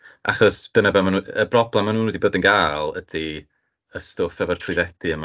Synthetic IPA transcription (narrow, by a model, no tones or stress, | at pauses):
ʔa̰χɔsb̥ənabamanuəbrɔblˠɛmanuːnudiboːdənɡaːlˠəd̥i | əstʊfɛvɔrtʰrɨðɛdiəma